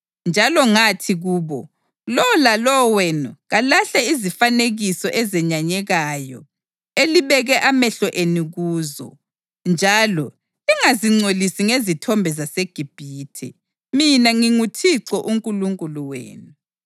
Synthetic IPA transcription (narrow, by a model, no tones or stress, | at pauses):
nd͡ʒʱalɔŋatʰiɣuːβɔ | lɔlalɔwɛnuɣalaɬaizifaneɣisɔʔɛzɛɲaɲɛɣajɔ | eliβɛɣɛʔamɛɬɔʔeniɣuːzɔ̰ | nd͡ʒʱaːlɔ | liŋaziŋ͡ǀolisiŋezitʰɔmbʱɛzaseɡ̥ʱib̥ʱiːtʰɛ̰ | minaŋiŋutʰiǀɔʔuŋkʼuluŋkʼuluwḛːnu